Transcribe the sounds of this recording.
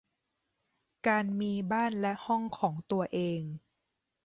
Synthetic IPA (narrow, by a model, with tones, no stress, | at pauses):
kaː˧nmiː˧baː˥˩nlɛ˦˥hɔ˥˩ŋkʰɔː˩˦ŋt̪u˧ɐʔeː˧ŋ